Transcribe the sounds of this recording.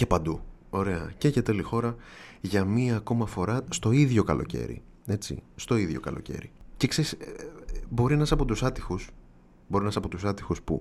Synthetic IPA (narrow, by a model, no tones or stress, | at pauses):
ce̞pɐnd̪u | o̞ɾe̞ɐ̰ceʝɐt̪e̞lixo̞ɾɐʝɐmiɐːko̞mɐfo̞ɾɐst̪o̞iðʝo̞kɐlo̞̰ce̞̰ɾḭ | e̞t͡sḭst̪o̞iðʝo̞̰kɐlo̞̰ce̞̰ɾḭcekse̞ɾis | bo̞ɾinɐsɐpo̞t̪usɐt̪ixus | bo̞ɾinɐsɐpo̞t̪usɐt̪ixuspṵ